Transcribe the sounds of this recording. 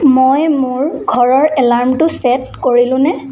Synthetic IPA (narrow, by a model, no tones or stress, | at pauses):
mojmʊɹɡʱɔɹɔɹɛlaɹmtʊsɛtkoɹilʊ̃nɛ